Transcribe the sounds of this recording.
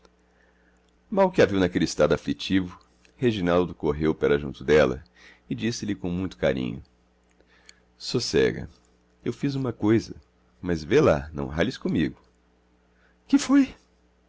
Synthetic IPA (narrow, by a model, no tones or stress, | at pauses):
mawkɪaviwnɐkelɪist̪ad̪aflit͡ʃivʊ | heʒinawd̪ʊkoɦewpɐɾɐʒṵ̃nt̪ʊd̪ɛlɐ̰ | ɪd͡ʒisɪlɪkõmũj̃t̪ʊ̥ka̰ɾḭ̃ɲʊ | sosɛ̰ɡɐ̰ | ewfizũmɐkojzɐ | mɐzvela̰nɐ̰̃w̃ɦalɪskõmiɡʊ | kɪfoj